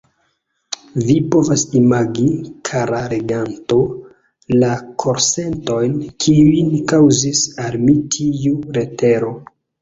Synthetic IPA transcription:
vipo̞vasimaɡikʰaɾaɾeɡanto̞ | lakʰo̞ɾse̞nto̞jnkʰiuinkawzisalmitʰiuɾe̞te̞ɾo̞

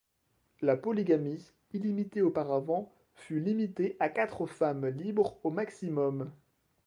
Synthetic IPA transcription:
lapɔliɡami | ilimit̪eopaʁavɑ̃ | fylimit̪eʔakat̪χəfamlibʁomaksimɔm

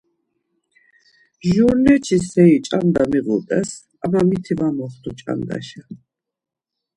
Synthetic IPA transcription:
ʒuɾnɛt͡ʃʰisɛit͡ʃʼand̪amiɣṵt̪ʼɛs | amamit̪ʰivamɔχt̪ʰut͡ʃʼa̰nd̪a̰ʃa

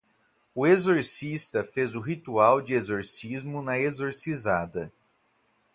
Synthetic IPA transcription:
ʊezoɾsist̪ɐfezʊɦit̪uawd͡ʒɪezoɾsizmʊnɐezoɾsizad̪ɐ

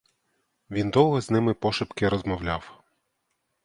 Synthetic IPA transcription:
ʋʲind̪ɔwˠɦɛznɪmɪpɔʃɪpkɪɾɔzmɔwlʲaw

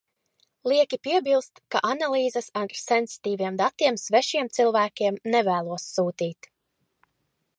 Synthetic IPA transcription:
lˠiɛkʲipiɛbilˠst̪ka̰ʔanalˠiːzəsaɾsɛnsi̥t̪iːviɛmd̪at̪iɛmsvɛʃiɛmt̪silˠvæːkʲiɛmnɛvæːlˠuɔsːuːt̪iːt̪

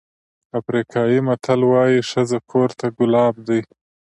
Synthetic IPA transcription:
afɾikʰɑjimat̪ʰalwɑjiʂazakʰoɾt̪aɡʊlɑb̚d̪əj

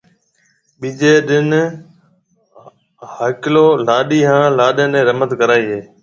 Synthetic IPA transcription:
ɓiːd͡ʒeːɗɪn | haːkloːlaːɗiːɦãːlaːɗẽːnẽːɾəmət̪kəɾaːiːɦeː

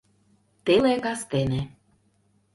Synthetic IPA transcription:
t̪elekɑst̪ene

